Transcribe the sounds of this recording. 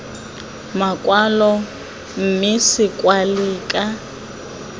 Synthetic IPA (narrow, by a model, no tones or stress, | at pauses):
makʼwalɔ | m̩mɪsɪkʼwaliːkʼa